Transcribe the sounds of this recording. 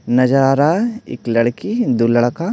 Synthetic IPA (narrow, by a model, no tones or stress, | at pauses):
nɐd͡ʒaɾaɪ̰klɐɽkid̪uləɭka